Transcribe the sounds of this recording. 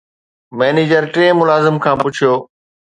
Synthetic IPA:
mɛːneːd͡ʑəɾʈɾẽːmʊlaːzɪmkʰãːpʊt͡ɕʰijoː

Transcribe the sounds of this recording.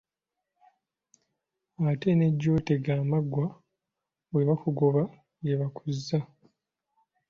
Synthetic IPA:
ate̞ne̞ɟːoːteɡaːmaɡwa | weβakuɡo̞βa | ɡeβakuzːa

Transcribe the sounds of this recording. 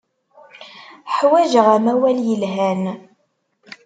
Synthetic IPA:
ħwæʒʁæmæwæljəlɦæn

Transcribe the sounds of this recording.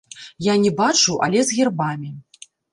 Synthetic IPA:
janʲɛbat͡ʂuʔɐ̰lʲɛzɣʲirbamʲi

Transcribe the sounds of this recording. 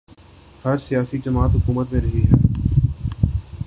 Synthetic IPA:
hɐɾsijaːsid͡ʒɐmaːt̪ɦʊkuːmət̪mẽɾɐɦiɦɛː

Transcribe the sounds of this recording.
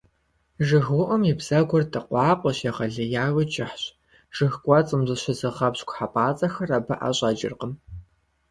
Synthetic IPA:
ʒɨɣuʔɐmibz̥ɐɡʷɔrtʰʼɨqʷɑːqʷʼɔɕeʁɐɮɨjaːwɨt͡ʃʼɪħɕ | ʒ̥ɨxkʷʼɔt͡sʼɨmzɨɕɪzɨʁɐpɕkʷʰʼħapʼaːt͡sʼɐxɐrɐbɐʔa̰ɕʼɐd͡ʒɪ̰rqəm

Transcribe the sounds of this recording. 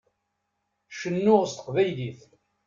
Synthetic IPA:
ʃənːʊʁst̪ə̥qvæjliθ

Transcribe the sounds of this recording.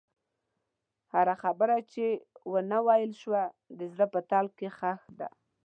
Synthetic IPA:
haɣaxabəɾat͡ʃewənawɑjɪlʃwa | d̪əzɾəpət̪alkexaxd̪a̰

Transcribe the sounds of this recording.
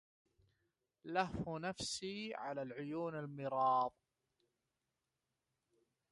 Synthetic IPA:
lahfnafsiːʕa̰laːlʕʊjuːnalmɪɾɑːðˤ

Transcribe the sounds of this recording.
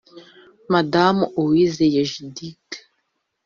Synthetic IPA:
madamowizejaʒidik

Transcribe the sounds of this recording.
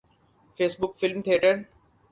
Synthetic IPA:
feːsbʊkfɪlmt̪ʰeːʈəɽ

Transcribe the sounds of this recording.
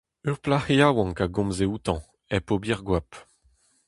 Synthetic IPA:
øʁplaheawɑ̃kaɡɔ̃mzeut̪ɑ̃ | ɛpobiʁɡwap

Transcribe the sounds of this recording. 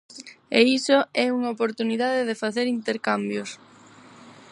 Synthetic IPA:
eisoɛuŋaopoɾt̪uniðaðɪðefaθeɾint̪eɾkambjʊs

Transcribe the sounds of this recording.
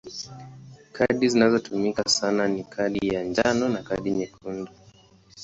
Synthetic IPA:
kʰaɗizinazɔtumikasananikʰaɗijand͡ʒanɔnakaɗiɲɛkʰundu

